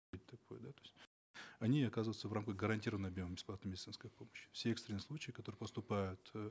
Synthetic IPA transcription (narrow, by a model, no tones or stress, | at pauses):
ɨt̪ːɐkojd̪at̪osʲtʲ | ɐnʲiɐkazɨvəjʊt̪səvramkəxɡəɾɐnʲtʲiɾəvənəjɐbjoməmbʲɪ̥splˠat̪nəmʲɪdʲt̪sɨnskəjpo̞məɕːɪ̥fsʲeekst̪ɾʲɪnəsˠut͡ɕɪjəkɐt̪o̞ɾɨɪpəst̪ʊpajʊt̪ː